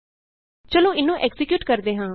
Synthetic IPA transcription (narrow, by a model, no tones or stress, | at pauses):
t͡ʃəlõːɪnũːʔɛksɪkjuːʈkəɾd̪eːɦãː